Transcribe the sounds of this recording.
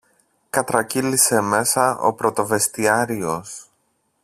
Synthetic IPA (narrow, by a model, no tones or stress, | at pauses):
kɐt̪ɾɐcilise̞me̞sɐo̞̰pɾo̞t̪o̞ve̞st̪iɐɾio̞s